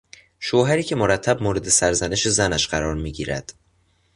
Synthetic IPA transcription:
ʃoːɦæɾiːcʰe̞moɾæt̪ʰːæbmoːɾe̞d̪e̞sæɾzæne̞ʃe̞zænæʃɢæɾɒːɾmiːɟḭːɾæ̰d̪̥

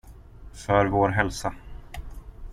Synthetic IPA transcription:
fœɾvoːɾɦɛlsa

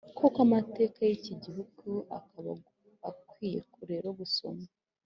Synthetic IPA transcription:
kʰokamate̞ːkajiciɟihuɡ̥ua̰kaβa | akwiːje̞̰kuɾe̞ɾoβuso̞̰ma

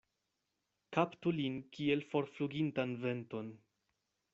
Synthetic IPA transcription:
kaptulinkie̞lfo̞ɾfluɡintanve̞nto̞n

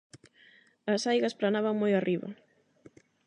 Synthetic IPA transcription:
ɐsajɣɐsplanaβɐŋmojarʔiβɐ̰

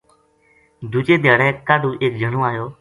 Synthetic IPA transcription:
d̪uːt͡ʃeːd̪jaːɽɛːkaːɖuːʔeːk̚d͡ʒʱəɳõːaːjoː

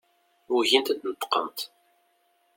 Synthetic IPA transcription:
uʝint̪d̪nət̪ːə̥qːə̰nt̪

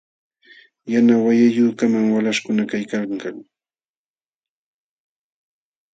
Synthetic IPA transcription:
janawajajuːkamaŋwalaʃkʊnakajkakaŋ

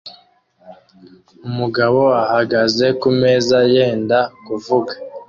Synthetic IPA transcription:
umuɡaβo̞ahaɡaze̞kume̞ːzaje̞ːndakuvuɡa

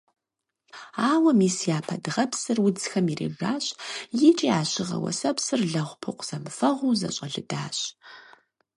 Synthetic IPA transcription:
aːwɐmiːsijaːpʰɐdɨʁɐpsɨrwʊd͡zxɐmirḛːʒaːɕʼjɪt͡ʃʼiaːɕɪʁɐ̰wɐ̰sɐpsɨrɮɐʁʷpʰɨqʷz̥ɐmfɐʁʷuzɐ̰ɕʼɐɮɨdaːɕ

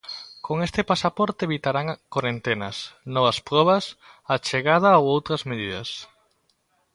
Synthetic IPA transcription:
koŋest̪epasapɔɾt̪eeβit̪aɾaŋkwaɾent̪enɐsnɔβɐspɾɔβɐs | at͡ʃeɣað̞ɐowowt̪ɾɐzmeð̞iðɐ̰s

